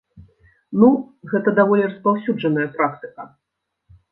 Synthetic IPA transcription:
nuɣɛt̪ɐd̪avɔlʲirɐspawsʲud͡ʐɐnɐjɐpɾak̚t̪ɨ̥kɐ

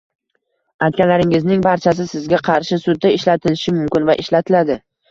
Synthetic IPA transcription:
ajt̪̚kʲanlaɾɪŋɪznɪŋbaɾt͡ʃʰas̬ɪsɪzɡʲaqʰɑɾʃɪsʊd̪̚ːaɪʃlat̪ʰɪlɪʃɪmʊmkʲɪnvaʔɪʃlat̪ʰɪlad̪ɪ

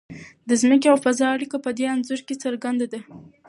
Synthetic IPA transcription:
d̪əzməkeawfazɑaɽikapəd̪eanzʊɾket͡səɾɡand̪ad̪a

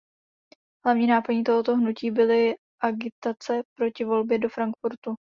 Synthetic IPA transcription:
ɦlavɲiːnaːpoɲiːt̪oɦot̪oɦnuciːbɪlɪ | ʔaɡɪt̪at͡sɛpɾo̞cɪvo̞lbjɛdo̞fɾaŋkfuɾt̪u

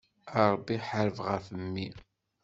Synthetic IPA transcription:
əɾˤbiħəɾəvʁəfəmːi

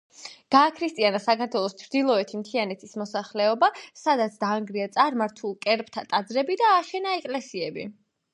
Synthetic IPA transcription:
ɡ̥aːkʰɾist̪ʼianasakʰaɾt̪ʰwɛlˠɔst͡ʃʰɾd̪ilˠɔɛt̪ʰimt̪ʰianɛt̪ʰismɔsaχlɛɔbasad̪at̪sʰd̪aːŋɡɾiat̪sʼaɾmaɾt̪ʰulˠkʼɛɾp̚ʼt̪ʰat̪ʼad̪zɾɛbid̪aːʃɛnaɛkʼlɛsiɛbi

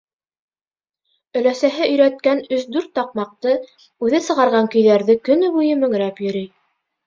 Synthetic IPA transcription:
ɵ̆læsæɦɘʔɵ̆jɾæt̪̚kænɵsd̪ʉɾt̪ːɑq̚mɑq̚t̪ɤ | ʉðɘsɤ̆ʁɑɾʁɑŋkɵ̆jðæɾðɘkɵ̆nɵβujɤmɵ̆ŋɾæpjɵ̆ɾij

